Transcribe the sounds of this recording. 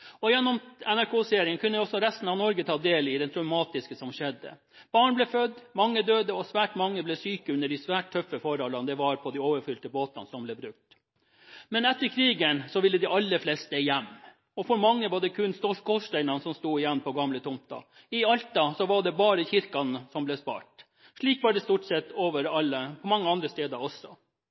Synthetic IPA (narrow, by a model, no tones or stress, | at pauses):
ɔjɛnːɔmɛnæɾkʰoːseːɾɪŋənkʰʉnːəɔsɔɾɛst̪n̩ɑʋnɔɾɡət̪ʰɑːd̪eːlɪd̪ɛnt̪ʰɾɑʉmɑːt̪ɪskəsɔmʃɛd̪ːə̰ | b̥ɑːɳblɛfœd̪mɑŋːəd̪øːd̪əɔsʋæːʈmɑŋːəblɛsyːkəʉnːəɖɪsʋæːʈ̚t̪ʰœfːəfɔɾhɔlːɑnd̪ɛʋɑɾpʰɔd̪ioːʋəɾfʏlt̪əboːt̪ɑnsɔmblɛːbɾʉk̚t̪ | mɛnɛt̪ːəɾkʰɾiːɡənsɔʋɪlːəd̪ɪʔɑlːəɾflɛst̪əɛjæmː | ɔfɔɾmɑŋːəʋɑɖɛkʰʉnst̪ɔʂkʰɔʂʈ̪æɪnɑnsɔmst̪uːɪjɛnːpʰɔɡɑmlət̪ʰʊmt̪ɑ̰ | ɪɑlt̪ɑsɔʋɑɖɛbɑːɾəçɪɾkɑnəsɔmblɛspɑ̰ːʈ | ʂɭiːkʋɑɖɛst̪uːʈsɛt̪ːoːʋəɾɑlːəpʰɔmɑŋːəɑnd̪ɾəst̪eːd̪ɑɔsːɔ